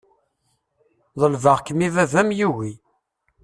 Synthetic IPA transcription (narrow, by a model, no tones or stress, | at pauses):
ðˤəlvəʁkəmivævæmjuwi